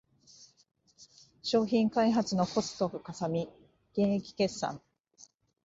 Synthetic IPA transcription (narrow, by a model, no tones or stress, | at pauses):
ɕo̞ːçĩŋkaiɦat͡sɨno̞ko̞sɨ̥t̪o̞ɸɯ̟kasamʲi | ɡ̥ẽ̞ɰ̃ekʲi̥ke̞sːã̰ŋ